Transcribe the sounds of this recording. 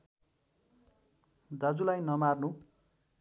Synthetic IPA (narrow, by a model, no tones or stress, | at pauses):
d̪ad͡zulajnʌmarnu